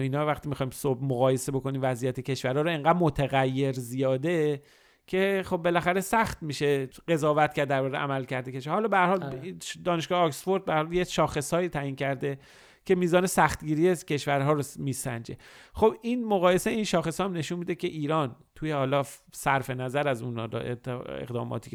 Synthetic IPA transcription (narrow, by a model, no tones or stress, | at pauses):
iːnhɒːvæxt̪iːmixɒːjimsob̚moɣɒːje̞se̞bo̞ko̞niːmvæzijæt̪ʰecʰe̞ʃvæɾhɒːɾoeŋɡæːd̪mot̪ʰeɣæjːe̞ɾzijɒːd̪e̞ | cʰexo̞bːe̞læxæɾesæxt̪miːʃe̞ɢe̞zɒːvæt̪kcæɾd̪ːd̪æɾbɒːɣeʔæ̰mælcʰæɾd̪ekʰeʃhɒːlɒːbeæɾhɒːlid̪ɒːneʃɡ̥ɒːheɒksfo̞ɾd̪̚bææɾɒljeʃɒːxe̞sɒːiːt̪ʰæjiːncʰæɾd̪e̞ | cʰe̞miːzɒːne̞sæxt̪ɟiːɾijecʰe̞ʃvæɾɦɒːɾomiːsæ̰nd͡ʒe̞̰xo̞biːnmoɣɒːje̞seiːnʃɒːxe̞sɒhæmne̞ʃunmiːd̪ecʰe̞ʔiːɾɒːn | t̪ʰujehɒːlɒːsæɾfe̞næzæɾæzuːn̰ːɾ̰ḛḛɣd̪ɒ̰ːmɒ̰ːt̪ʰiː